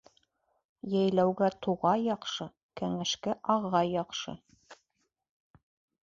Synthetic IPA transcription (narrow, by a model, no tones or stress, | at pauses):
jæjlæwɡæt̪uʁɑjɑqʃɤ | kæŋæʃkæʔɑʁːɑjɑqʃɤ̰